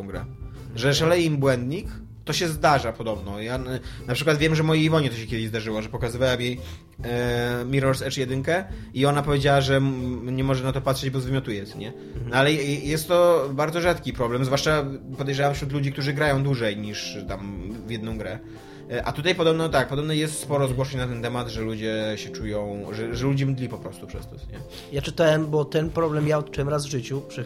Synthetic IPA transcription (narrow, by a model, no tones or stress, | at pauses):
w̃ɡɾɛ̰ | ʐɛʂalɛjimbwɛnd̪ɲik | t̪ɔɕɛzd̪aʐapɔd̪ɔbnɔjanapʂɘkwat̪vjɛmʐɛmɔjiivɔɲɛt̪ɔɕɛkʲɛd̪ɪʑzd̪aʐɘwɔʐɛpɔkazɨvawɛmjej | mʲiɾɔɾsɛt͡ʂjɛd̪ɘŋkɛ | iɔnapɔvjed͡ʑawaʐɛɲɛmɔʐɛnat̪ɔpat̪ʂɛd͡ʑbɔzvɘmʲɔt̪ujɛt̪ɛɲɛ | nɔalɛjɛst̪ːɔbaɾdzɔʐat̪kʲipɾɔblɛmzvwaʂt͡ʂapɔd̪ɛjʐawamfɕɾut̪lud͡ʑikt̪uʐɘɡɾajɔ̃w̃d̪wuʐɛjɲiʂt̪amvʲjɛd̪nɔ̃w̃ɡɾɛ | ʔa̰t̪ut̪ajpɔd̪ɔbnɔt̪ak̚pɔd̪ɔbnɔjɛst̪spɔɾɔzɡwɔʂɛɲnat̪ɛnt̪ɛmad̪ʐɛlud͡ʑɛɕɛt͡ʂujɔ̃w̃ʐɛʐɛlud͡ʑɛmd̪lʲipɔpɾɔst̪upʂɛ̰st̪ɔsɲɛ̰ | jat͡ʂɘt̪awɛmbɔt̪ɛnpɾɔblɛmjaɔt̪̚t͡ʂuwɛmɾazvʐɘt͡ɕupʂɛ